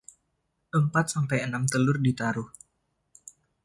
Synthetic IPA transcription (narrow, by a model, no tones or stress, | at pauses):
ʔəmpat̪̚sampajənamt̪əlʊrdit̪aɾʊh